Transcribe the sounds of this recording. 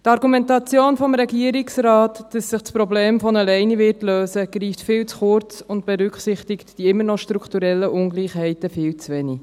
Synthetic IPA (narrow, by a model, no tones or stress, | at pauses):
tɑɾɡumɛntɑt͡sjoːnfɔmɾɛɡiəɾɪksɾɑːtd̥ɑsːɪχtspɾɔbleːmfɔnəlɛɪnivɪtløːsəɡ̥ɾiːftfɪːlt͡sχʊɾt͡sʊntb̥ɛɾʏkχsɪχtɪktd̥iɪmːənɔʃtɾukʰtuɾɛlːəʔʊnɡliːχhɛɪtəfɪːlt͡sʋɛni